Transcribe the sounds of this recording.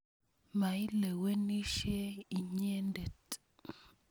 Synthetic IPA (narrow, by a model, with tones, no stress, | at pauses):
ma˨i˦le˨we˦ni˦ʃe˦i˨ɲe˦nde˨t